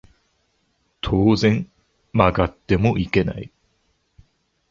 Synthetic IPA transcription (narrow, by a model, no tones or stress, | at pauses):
t̪ʰoːzẽ̞n | maɡat̪ːe̞moʔike̞na̰ḭ